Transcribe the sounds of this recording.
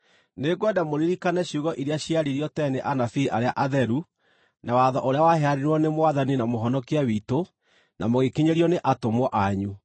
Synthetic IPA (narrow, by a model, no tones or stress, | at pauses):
neɡwɛdamoɾiɾikanɛɕjuɣɔʔiɾeaɕiaɾiɾiɔtɛneʔanafiʔaɾeaʔaðɛɾu | nawaðɔʔoɾeawahɛaɾiɾwɔnemoaðaninamoɦɔnɔkiawito | namoɣekiɲeɾiɔneʔatomwɔʔaɲu